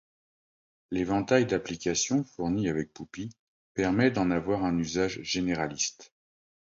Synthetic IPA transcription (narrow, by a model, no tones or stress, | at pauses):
levɑ̃t̪ajd̪aplikʲasjɔ̃fuʁniavɛk̚pupi | pɛʁmɛd̪ɑ̃navwaʁɛ̃nyzaʒʒeneʁalist̪